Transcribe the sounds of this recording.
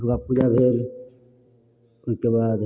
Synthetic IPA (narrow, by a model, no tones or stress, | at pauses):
kapuːd͡ʒabʱeːl | ʊskebaːd̪